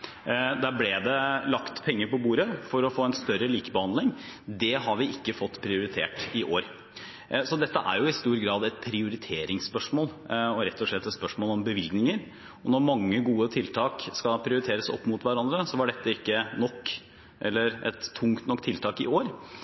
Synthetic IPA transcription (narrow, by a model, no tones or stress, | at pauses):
d̪æːɾblɛd̪ɛlɑkt̪pʰɛŋːəɾpɔbuːɾəfɔɾɔfoːɛnst̪œɾəliːkəbəhɑnd̪lɪŋd̪ɛɦɑɾʋɪɪkːəfɔt̪ːpʰɾɪʊɾɪt̪ʰḛːʈɪʔoːɾ | sɔd̪ɛt̪ːəʔæ̰ɾjʊɪst̪uːɾɡɾɑːd̪ɛt̪̚pʰɾɪʊɾɪt̪ʰeːɾɪŋspœʂmoːlɔɾɛt̪ːɔʂɭɛt̪ːɛt̪spœʂmoːlɔmbəʋɪlɡnɪŋəɾ | ɔnɔɾmɑŋːəɡuːət̪ʰɪlt̪ʰɑːkskɑpʰɾɪʊɾɪt̪ʰeːɾəsɔ̰pːmʊt̪ʋæɾɑnd̪ɾəsɔʋɑɖɛt̪ːəɪkːənɔkː | ʔɛlːəɾʔɛ̰t̪ʰːʊŋt̪nɔkːt̪ʰɪlt̪ʰɑːkɪ̰oːɾ